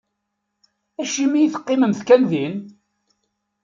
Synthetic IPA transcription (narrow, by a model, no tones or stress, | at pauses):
æʃimijθə̥qːɪməmθkænðin